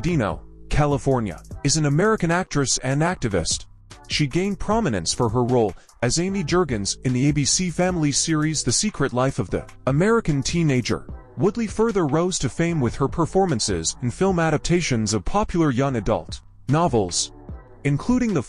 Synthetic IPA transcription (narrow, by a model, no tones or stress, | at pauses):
dĩno̰ʊkʰælˠəfɔɹnjɨ̰ɨzn̩ɨmɛɹɨkɨ̃næk̚tɹ̥ɨsɨ̃næk̚tɨvɪ̰st | ʃiɡẽɪ̃n̚pʰɹ̥ɑmɨnɨ̰̃nsfə˞ə˞ɹoʊlˠ | ɨzẽɪ̃mid͡ʒɜ˞ɡɨ̃nzɨ̃nðieɪbisifæ̃mlˠi̥sɪɹizðɨsikʰɹɨtˡlaɪfʌvðɨ̰ | əmɛɹɨkɨ̃ntʰĩneɪd͡ʒə̰˞ | wʊdˡlifɜ˞ðə˞ɹoʊz̥tʰɨfẽɪ̃mwɨð̥ə˞pʰə˞fɔɹmɨ̃nsɪ̰z̃n̩fɪlˠmæɾɨp̚tʰeɪʃɨ̃nzʌv̥pʰɑpjl̩ˠə˞jʌ̃ŋɨdʌ̰lˠt | nɑvl̩ˠz̥ | ɨ̃nkʰl̥uɾɪ̃ŋðə